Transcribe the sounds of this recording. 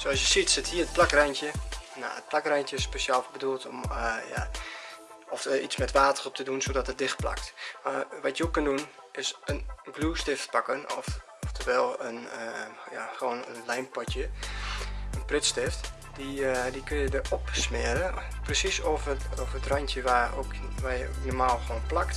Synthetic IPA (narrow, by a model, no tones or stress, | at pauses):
soɔsjəsitsɪthiərət̚plakrɛjntjəna̰ə̰t̚plakrɛjntjəɪspeʃjaːlˠbəduəlˠtɔ̰mja̰ | ɔfit͡smɛtʋaːtəχɔp̚tʰədunsodɔtət̚dɪxt̚pla̰k̚tmaʋɔtjəokøndun | ɪsənɡluːstɪftpakənɔf | ɔftʰəʋɛlˠənjaxoːnə̰nlɛjnpɔtjə | ənprɪtstɪft | didikønjədəʔɔpsmɪəɾəprəsisɔfɔfətrajntjəʋao̰kʋajəoknɔrmaːlˠxʋoːnplakt